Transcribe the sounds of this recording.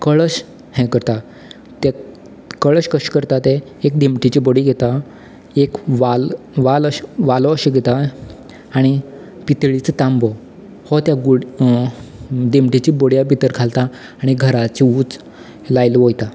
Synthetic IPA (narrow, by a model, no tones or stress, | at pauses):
kəɭəɕ | hɛ̃kəɾt̪a | t̪e | kəɭəɕkəɕkəɾt̪at̪e | ekd̪emʈit͡ɕiboɽiɡʱet̪a | ekʋal | ʋaləɕʋalɔəɕiɡʱet̪aː | ɽ̃i | pit̪ɭit͡st̪ãmbɔ | hɔt̪jaɡuɽ | d̪emʈit͡ɕiboɽjabit̪əɾkʰalt̪a | aɽ̃iɡʱəɾat͡ɕiuːt͡s | lajlʋojt̪a